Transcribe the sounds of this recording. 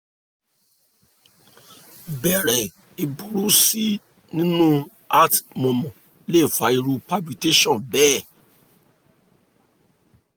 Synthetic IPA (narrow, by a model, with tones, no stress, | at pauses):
bɛ˨ɾɛ˨ | i˨bu˨ɾu˨˦si˦ | nĩ˦nũ˦ | a˦tmɔ̃˨mɔ̃˨ | le˦˨fa˧˦i˧ɾu˧pa˦bi˧˨te˦ʃɔ̃˦˨bɛ˦